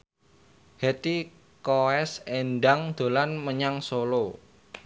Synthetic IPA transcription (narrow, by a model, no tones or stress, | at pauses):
hɛt̪i | koɛsenɖaŋd̪̥o̤lanməɲaŋsolo